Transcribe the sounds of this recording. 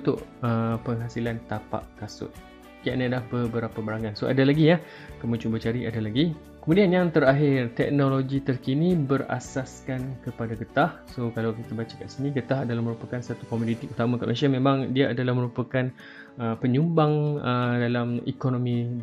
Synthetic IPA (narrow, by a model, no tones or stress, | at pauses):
ut̪ʊʔəpəŋɦasilant̪apa̰ʔkasʊ̰t̪̚ | kiaʔnalahbəbəɾapabaɾaŋansoʔa̰dalaɡija | kəmut͡ʃubət͡ʃaɾiadalaɡi | kəmũdianjaŋt̪əɾaɦɪrt̪ɛk̚noloɡit̪ərkinibəɾa̰saskankəpadaɡət̪ahsokalawkit̪abat͡ʃaka̰ʔsiniɡət̪aɦadalahmə̃ɾupakansat̪ukomudit̪iʔut̪amãkaʔmʔaʃamẽmãŋdiaʔadalahmə̃ɾupakan | əpəɲumbaŋədalamḭkonomĩ